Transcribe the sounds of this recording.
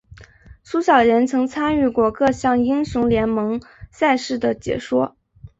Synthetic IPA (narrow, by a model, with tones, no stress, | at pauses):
sʰu˥ɕjɑ˨˩ʊɻə˧˥nt͡sʰɤ˧˥ŋt͡sʰa˥ny˥˧kwɔ˥˩kɤ˥˧ɕjɑ˥˩ŋi˥ŋɕju˧˥ŋljɛ˧˥nmɤ˧˥ŋsa˥˧ɪʂɻ̩˥˩d̪ə˩t͡ɕjɛ̰˨˩ʂwɔ˥